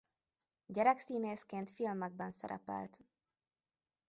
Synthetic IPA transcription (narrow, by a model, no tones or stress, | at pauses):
ɟɛɾɛksiːneːskeːnt̪filmɛɡ̚bɛnsɛ̰ɾɛ̰pɛ̰lt̪